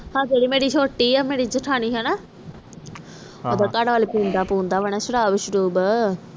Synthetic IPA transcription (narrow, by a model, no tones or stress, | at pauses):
hãːd͡ʒeːɽiːmeːɽiːʃʰoːʈːiːaːmeːɽiːd͡ʒəʈʰaːñiːɦɛːnaː | oːd̪aːkaɽʋaːliːpũːnd̪aːpũːnd̪aːʋənɛ̃ːʃəɽaːʋəʃɾuːbə